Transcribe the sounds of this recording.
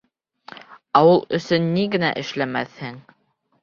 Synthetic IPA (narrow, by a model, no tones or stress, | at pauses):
ɑwɤlˠɵ̆sɵnːiɡɘ̆næ̰ʔɘ̆ʃlæmæθhɘŋ